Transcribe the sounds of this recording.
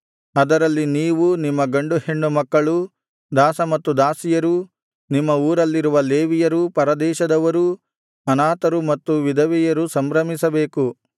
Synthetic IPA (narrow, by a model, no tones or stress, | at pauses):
ɐd̪ɐɾɐlːiniːʋunimːɐɡɐɳɖuheɳːumɐkːɐɭu | d̪aːsɐmɐt̪ːud̪aːsijɐɾu | nimːɐuːɾɐlːiɾuʋɐleːʋijɐɾupɐɾɐd̪ɛːʃɐd̪ɐʋɐɾu | ɐnaːt̪ɐɾumɐt̪ːuʋid̪ʱɐʋɛjɐɾusɐmbɾɐmisɐbeːku